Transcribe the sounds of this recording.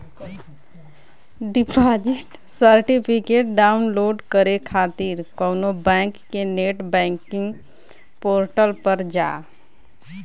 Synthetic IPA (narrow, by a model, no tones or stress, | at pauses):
ɖipad͡ʒiʈ | səɾʈipʰikeʈ̚ɖaːʊnloːɖkəɾekʰaːt̪iɾkəːnobɛ̃ŋkːeneʈbɛ̃ːŋkɪ̃ŋɡ | poːɾʈəlpəɾd͡ʒa̰ː